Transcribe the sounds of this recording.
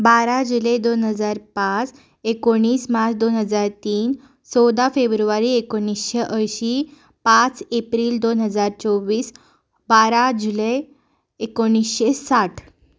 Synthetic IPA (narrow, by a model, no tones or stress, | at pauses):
baɾad͡ʑuled̪onɦəd͡zaɾpat͡s | ekoɽ̃iːsmat͡sʰd̪onɦəd͡zaɾt̪iːn | sɔwd̪afebɾuʋaɾiekoɳ̃isɕeʔəjɕi | pat͡sepɾiːld̪onɦəd͡zaɾt͡sɔwʋiːs | baɾad͡ʑule | ekoɽ̃isɕesaʈʰ